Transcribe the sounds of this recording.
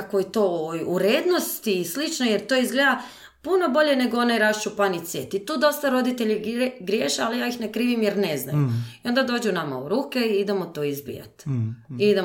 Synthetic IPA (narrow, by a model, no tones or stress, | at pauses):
akoit̪o̞ojuɾeːd̪no̞st̪iːslit͡ʃnojeɾt̪o̞ːizɡlʲed̪a | puno̞bo̞ʎe̞ne̞ɡoonajɾast͡ʃupanit̪sjet̪it̪uːd̪o̞st̪aɾo̞d̪it̪eʎiɡɾjeːʃealijaːixnekɾiːʋimjeɾnezna̰juio̞nd̪ad̪o̞ːd͡ʑunama̰uɾuːkeiid̪emot̪oːizbḭja̰t̪iid̪e